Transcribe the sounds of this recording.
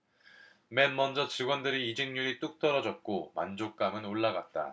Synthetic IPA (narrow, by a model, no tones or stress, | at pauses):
me̞nmʌnd͡ʑʌt͡ɕiɡwʌndɯɾiːd͡ʑiŋɲuɾit͈uk̚t͈ʌɾʌd͡ʑʌt̚k͈omand͡ʑok̚k͈amɯnoɭːaɡat̚t͈a̰